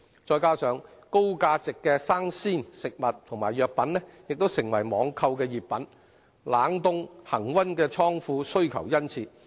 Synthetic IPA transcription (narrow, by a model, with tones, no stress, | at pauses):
t͡ʃɔː˧jkaː˥sœː˨˧ŋko˥wkaː˧t͡sɪ˨kːɛː˧saː˥ŋsiː˥nsɪ˨k̚mɐ˨t̚t̪ʰʊ˨˩ŋmaː˨˩jœː˨˧k̚pɐ˨˥nlɛː˥jɪ˨k̚t̪o˥wsɪ˨˩ŋwɐ˨˩jmɔː˨˧ŋkʰɐ˧wkɛː˧jiː˨˩p̚pɐ˨˥n | laː˨˥ŋt̪ʊ˥ŋhɐ˨˩ŋwɐ˥nkɛː˧t͡ʃʰɔː˥ŋfuː˧sɵ˥ɥkʰɐ˨˩wjɐ˥nt͡sʰiː˧